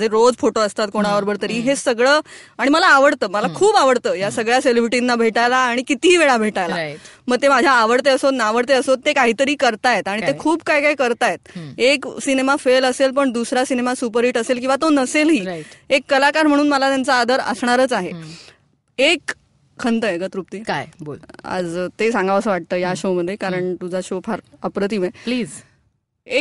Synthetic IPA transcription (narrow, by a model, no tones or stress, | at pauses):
d͡zʱeɾod͡zfoʈoəst̪at̪̚koɽ̃aʋəɾbəɾt̪əɾiːɦesəɡɭəː | aɽ̃iməlaːʋəɽt̪əːməlakʰuːbaʋəɽt̪əːjasəɡɭjaselibɾiʈinːabʱeʈajlaːɽ̃ikit̪iɦːʋeɭabʱeʈajla̰məɡ̚t̪emad͡ʑʱjaːʋəɽt̪eəsot̪naʋəɽt̪eəsot̪ːekaɦiːt̪əɾiːkəɾt̪ajet̪aɽ̃it̪ekʰuːbkaɦikaɦikəɾt̪ajet̪̚eksinemafeləselpəɳd̪usɾasinemasup̬əɾiːʈəselkĩw̃ʋat̪onəselɦiːekːəlakaɾm̤əɽ̃uːnməlat̪jant͡saːd̪əɾə̰sɳ̃aɾət͡saɦe | ek | kʰːənt̪əekət̪ɾup̚t̪iːkajbola̰d͡zt̪esãŋɡaʋəsəːʋaʈ̚t̪əːjaɕoməd̪ʱːjekaɾəɳt̪ud͡zʱaɕofʰaɾəpɾət̪̬imepliːz | e